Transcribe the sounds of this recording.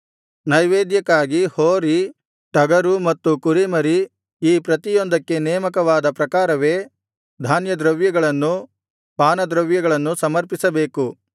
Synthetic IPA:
nɐjʋeːd̪jɐkːaːɡihoːɾi | ʈɐɡɐɾumɐt̪ːukuɾimɐɾi | iːpɾɐt̪ijond̪ɐkːe̞nɛːmɐkɐʋaːd̪ɐpɾɐkaːɾɐʋe̞ː | d̪ʱaːnjɐd̪ɾɐʋjɐɡɐɭɐnːu | paːnɐd̪ɾɐʋjɐɡɐɭɐnːusɐmɐɾpisɐbe̞ːku

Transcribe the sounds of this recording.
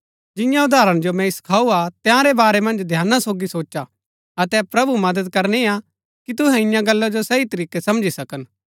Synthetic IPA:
d͡ʒɪ̃jãʊd̪ʱaːɾəɽ̃d͡ʒomɛ̃ɪskʰaːuat̪jãɾebaːɾemɐ̃nd͡ʒd̪ʱjaːnːasoːɡisoːt͡ʃa | ɐt̪ɛpɾɐbumɐd̪əd̪̚kɐɾnea | kit̪̬ʊɦɛ̃ɪjãɡɐlːad͡ʒosɐit̪ɐɾiːkesɐmd͡ʒisɐkən

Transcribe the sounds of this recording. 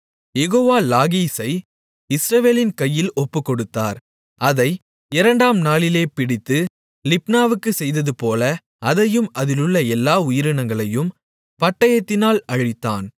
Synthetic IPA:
jɛɣoːʋaːlaːɣiːsɐɪ | ɪsɾɐʋeːlɪnkɐjːɪlɔpːɯkːɔɽɯt̪ːa̰ːɾ | ɐðɐɪ | ɪɾɐɳɖaːmnaːlɪleːpɪɽɪt̪ːɯ | lɪpnaːʋɯkːɯsɛjðɐðɯpoːlɐ | ɐðɐjɯmʔɐðɪlɯɭːɐɛlːaːʊjɪɾɯɳɐŋɡɐɭɐjɯm | pɐʈːɐjɐt̪ːɪnaːlɐɻɪt̪ːa̰ːn

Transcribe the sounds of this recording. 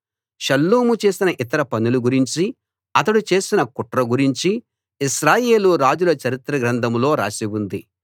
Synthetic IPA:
ʃɐlːuːmut͡ʃe̞ːsinɐʔit̪ɐɾɐpɐnuluɡuɾiɲt͡ʃi | ɐt̪̬ɐɽut͡ʃe̞ːsinɐkuʈɾɐɡuɾiɲt͡ʃi | iʃɾaːje̞ːluɾaːd͡ʒulɐt͡ʃɐɾit̪ɾɐɡɾɐnd̪ɐmlo̞ːɾa̰ːsibund̪i

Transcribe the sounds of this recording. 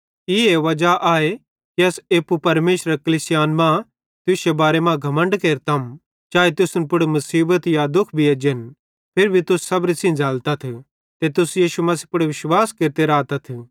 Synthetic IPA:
ieːʋɐd͡ʒaʔaːe | kiɐseːpupɐɾmeːʃɾɐkɐliːsɪjaːnmã | t̪ʊsebaːɾemãɡʱɐmə̃ɳɖkeːɾt̪ɐm | t͡ʃaːet̪ʊsʊnp̬ʊɽmɐsiːbət̪jad̪ʊkʰbʱied͡ʒen | pʰɪɾbʱit̪ʊssːɐbɾisĩd͡zaːlt̪at̪ʰ | t̪et̪ʊsjiːʃumɐsipʊɽʋɪʃwaːskeːɾt̪eɾaːt̪ɐt̪ʰ

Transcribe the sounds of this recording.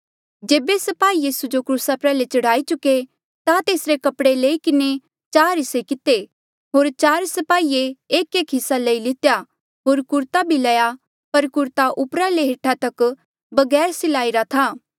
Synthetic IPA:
d͡ʒeːbesɐpaːijiːsud͡ʒokɾuːsapɾɛːlet͡ʃɐɽaːit͡ʃʊkːe | t̪at̪eːsɾekɐpɽeleːikɪne | t͡ʃaːɾɦɪsekɪt̪e | ɦoːɾt͡ʃaːɾsɐpaːieeːkeːkɦɪsːalɐilɪt̪ja | ɦoːɾkʊɾt̪abʱilɐja | pɐɾkʊɾt̪aʔʊpɾaleɦeːʈʰat̪ɐk | bɐɡɛːɾsɪlaːiɾat̪ʰaː

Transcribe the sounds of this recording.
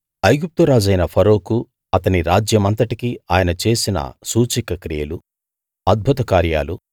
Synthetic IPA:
ɐjɡup̚t̪uɾaːd͡ʒɐjnɐpʰɐɾo̞ːku | ɐt̪ɐniɾaːd͡ʒjɐmɐnt̪ɐʈikiaːjɐnɐt͡ʃe̞ːsinɐ̰suːt͡ʃikɐkɾijɐlu | ɐd̪̚bʱut̪ɐkaːɾja̰ːlu

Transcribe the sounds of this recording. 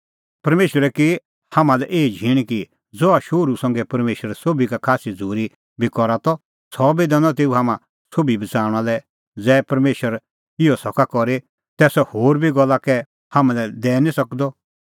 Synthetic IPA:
pɐɾmeːʃəɾɛki | hamãlɛʔeːid͡ʒʱiɽ̃ki | d͡zɔaʃoːɾusɐ̃ŋɡɛpɐɾmeːʃəɾsobikakʰaːsid͡zʱuːɾi | bʱikɔɾat̪ɔ | sɔbid̪ɛnɔt̪̬eːuɦaːmã | sobʱibɐt͡saːɽ̃alɛ | d͡zɛːpɐɾmeːʃəɾ | ɪɔsɔkakɔɾe | t̪ɛːsɔhoːɾbʱiɡɔlːakɛ | haːmãlɛd̪ɛːnisɐkd̪ɔ

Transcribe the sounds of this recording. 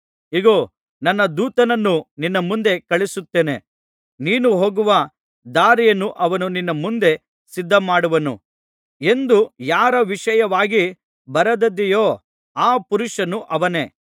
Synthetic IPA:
iɡoː | nɐnːɐd̪uːt̪ɐnɐnːuninːɐmund̪e̞kɐɭisut̪ːeːne̞ | niːnuɦoːɡuʋɐ | d̪aːɾijɐnːuʔɐʋɐnuninːɐmund̪e̞ | sid̪ʱːɐmaːɽuʋɐnṵ | e̞nd̪ujaːɾɐʋiʂɐjɐʋaːɡi | bɐɾɐd̪ɐd̪ijoː | aːpuɾuʂɐnuʔɐʋɐne̞ː

